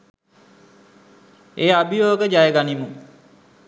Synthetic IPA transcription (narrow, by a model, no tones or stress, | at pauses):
eːabʱijoːɡəd͡ʒajəɡanimu